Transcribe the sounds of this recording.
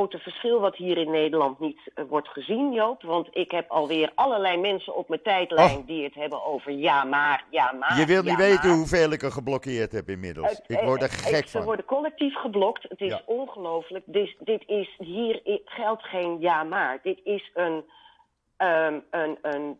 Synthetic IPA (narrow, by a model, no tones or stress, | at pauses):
owtəv̥əɹsχɪlˠʋɑtɦiːrɪnːejdəlɑntnitʋɔɹtχəzinjowpʋɑntɪkɦɛpɑlˠʋɪːrʔɑləɹlɛjmɛnsə̰nɔpmətɛjtljndiətɦɛbənowvəɹjaːmaːrjaːmajəʋɪlˠniʋejtənɦuveːlˠɪkəχəblɔkɪːɹtɦɛpɪnmɪ̰dəl̩ˠəɪkɔɹdəχɛksəʋɔɹdəkɔlɛk̚tifχəblɔktətɪsɔnχəlowfələk̚dɪsdɪtɪsɦiːrɪχɛlˠtχejnjaːmaːɹdɪtɪsən | əənən